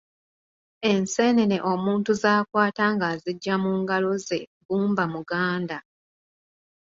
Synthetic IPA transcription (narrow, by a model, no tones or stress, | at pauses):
e̞nse̞neneʔomuːntuzaːkwaːtaŋɡaziɟːamuːŋɡalo̞ze̞buːmbamuɡaːnda